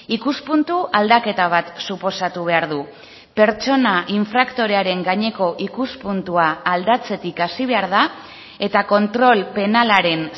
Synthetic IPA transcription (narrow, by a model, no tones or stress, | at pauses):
ikuspunt̪uʔald̪ake̞t̪aβ̞at̪supo̞sat̪uβ̞e̞aɾðu | pe̞ɾt͡ʃo̞naʔiɱfɾakt̪o̞ɾe̞aɾe̞ŋɡaɲe̞ko̞ʔikuspunt̪uaːld̪at͡se̞t̪ikasiβ̞e̞aɾða | e̞t̪ako̞nt̪ɾo̞lpe̞nalaɾe̞n